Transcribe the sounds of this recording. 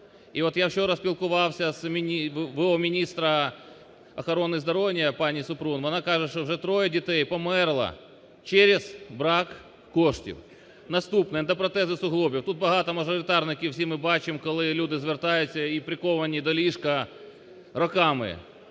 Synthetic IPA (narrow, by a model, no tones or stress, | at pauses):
iɔt̪jawɕoɾɐspʲilˠkʊʋɑwsʲɐsmʲnʲiʋɔɔmʲinʲist̪ɾɐ | ɐxɐɾonːɨzd̪ɐɾoʋʲjɐpɑnʲisʊpɾunʋɔnɑkɑʐɛʃt͡ʃɔwʐɛt̪ɾɔjɐdʲit̪ɛjpɔmɛrlˠɐ̰ | t͡ʃeɾʲɪzbɾɑkː | oʂtʲḭw | nɐst̪upnɨjɐnt̪ɐpɾɐt̪ɛzɪsʊɦlˠɔbʲjiwt̪ut̪̚bɐɦɑt̪ɐmɐʐɔɾʲɪt̪ɑrnɪkʲɪwsʲimɪbɑt͡ʃɪmkɔlˠɪlʲud̪ɪzʋʲɪrt̪ɑjʊt͡sʲːɐipɾʲɪkɔʋɐnʲid̪ɔlʲiʂkɐ | rɐkɑmɪ̰